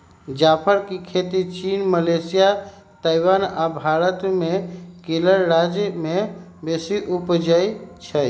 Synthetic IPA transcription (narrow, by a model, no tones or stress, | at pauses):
d͡ʒapʰəɾkikʰet̪it͡ʃinməlesija | t̪ajwanabʱaɾət̪mekeləɾɾad͡ʒmebesiʔupd͡ʒajt͡ʃʰəj